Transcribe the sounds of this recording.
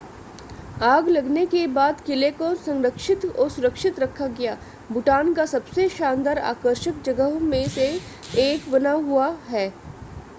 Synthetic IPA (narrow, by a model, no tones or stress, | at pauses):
aːɡlɐɡnekebaːd̪kɪlekosɐ̃ŋɾəkʃɪt̪ɔsʊɾəkʃɪt̪ɾɐkʰaɡɐjaː | bʱʊʈaːnkasɐbseʃãːnd̪aːɾa̰ːkəɾʃək̚d͡ʒɐɡəɦmẽse | eːkʋɐnaɦuaɦɛː